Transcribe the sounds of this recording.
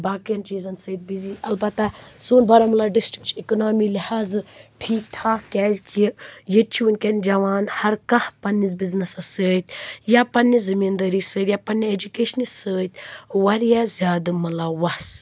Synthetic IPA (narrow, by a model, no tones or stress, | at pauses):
baːkijɐnt͡ʃiːzɐnsɐid̪̚biziʔɐlbɐt̪ːasuːnbɐɾɐmɐlaɖisʈi̥k̚t͡ʃʰikonaːmilihaːzʈʰiːk̚ʈʰaːkʲaːzʲkijet͡ʃʰiunʲkʲɐnʲd͡ʒɐʋaːnhɐɾkɐhpɐnːizbiznɐsɐsəːjt̪japɐnːizɐmiːnd̪ɐɾisəːt̪jaːpɐnːied͡ʒukeːʃɐnisəːt̪wɐɾjazʲaːd̪ɨmɐlawɐs